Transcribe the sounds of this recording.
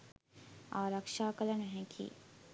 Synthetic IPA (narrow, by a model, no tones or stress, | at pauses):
aːɾəkʃaːkɐlɐnɐɦɛ̃kʰḭː